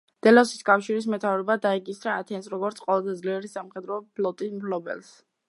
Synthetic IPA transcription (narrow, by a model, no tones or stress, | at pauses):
d̪̥ɛlɔsiskʼafʃiɾis̬mɛt̪ʰavɾɔbad̪aɛkʼisɾaːt̪ʰɛnsɾɔɡɔɾt̪sʰqʼɔlˠazɛd̪zliɛɾisamχɛd̪ɾɔpʰlɔt̪ʼismpʰlɔbɛ̰lˠs